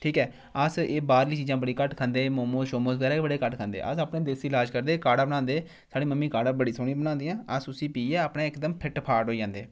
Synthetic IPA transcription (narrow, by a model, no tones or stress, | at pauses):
ʈʰiːkɛː | əseːbaːɾliːt͡ʃiːd͡ʒãːbəɽiːkəʈkʰãnd̪eːmoːmõːʃoːmoːsɡɛːɾɛːbəɽeːkəʈkʰãːnd̪ḛːʔəsaːpnẽːd̪ɪsɪlaːd͡ʒkəɾd̪eːkaːɽaːbəɽãːnd̪eː | saːɽeːməmːiːkaːɽaːbəɽiːsoːɽ̃ĩːbənãːnd̪ijãːəsʊsiːpiːɛːəpɳẽːɪkd̪əmpʰɪʈpʰaːʈɦoːid͡ʒãːnd̪eː